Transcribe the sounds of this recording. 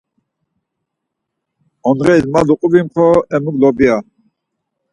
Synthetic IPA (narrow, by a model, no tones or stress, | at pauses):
ɔnʁɛilmaluqʼubimχʰɔɛmuɡlɔbia